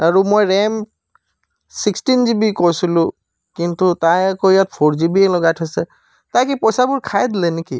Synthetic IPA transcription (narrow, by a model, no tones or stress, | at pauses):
aɹumojɹɛm | sikstinzibikojsilʊ̃ | kintutajakɔjat̚pʰɔɹzibiɛlɔɡatʰasɛ | tajkipɔjsabʊɹkʰajd̪ilɛnikḭ